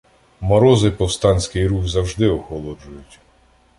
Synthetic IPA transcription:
mɔɾɔzɪpɔwst̪ɑnʲsʲkɪjɾuxzɐwʒd̪ɪɔxɔlˠɔd͡ʒʊjʊtʲ

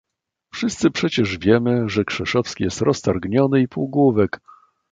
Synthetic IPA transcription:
fʂɘst̪sɘpʂɛt͡ɕɛʐvʲjɛmɘʐɛkʂɛʂɔfskʲijɛst̪ɾɔst̪aɾɡɲɔnɘipuɡwuvɛk

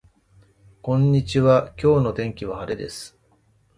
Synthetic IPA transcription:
kõ̞ɲ̟ːit͡ɕiβakʲo̞ːno̞t̪ẽ̞ŋkʲiβ̞ahaɾed̪e̞sɨ̥

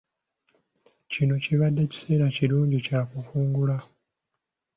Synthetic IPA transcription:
cino̞ciβadːe̞ci̥se̞ːɾaciɾuːɲɟicakufuːŋɡula

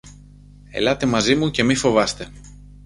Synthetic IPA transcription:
e̞̰lɐt̪e̞mɐzimuce̞mifo̞vɐst̪e̞

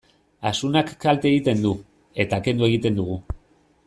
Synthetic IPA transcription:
asunakːalt̪eɣit̪e̞nd̪u | e̞t̪aːke̞nd̪ue̞ɣ̞it̪e̞nd̪uɣ̞u

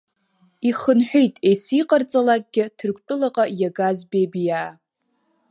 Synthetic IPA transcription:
iχənħʷᶣejtʼejsiqʼart͡sʼalakʼɡʲɪtʰɨrkʷʰʼpʼʊlaqʼajaɡazbebijaː

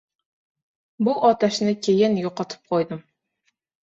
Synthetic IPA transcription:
buʔɑt̪ʰɛʃnɨkʲʰejɪnjoqɑt̪ʰɨ̥p̚qʰojd̪ɨm

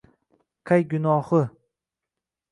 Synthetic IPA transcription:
qʰajɡʊnɒhɨ

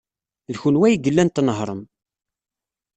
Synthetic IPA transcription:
ðçunwæjiɡəlːænt̪nəɦɾˤəm

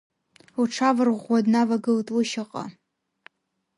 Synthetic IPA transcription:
uʈ͡ʂʰavɨrʁʷadnavaɡɨltʼlɨʃaqʼa̰

